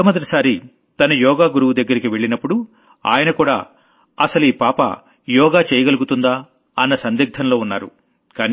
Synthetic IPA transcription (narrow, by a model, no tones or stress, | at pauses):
ɐmɐd̪ɐti̥saːɾi | t̪ɐnɐjɔːɡaːɡuɾuwud̪ɐɡːɐɾikiʋe̞ɭːinɐpːuɽu | a̰ːjɐnɐkuːɽa̰ː | ɐsɐluiːpaːpɐ̰ | jɔːɡaːt͡ʃeːjɐɡɐluɡut̪und̪aː | ɐnːɐsɐnd̪iɡ̚d̪ʰʱɐnlo̞ːunːaːɾṵ | kaːni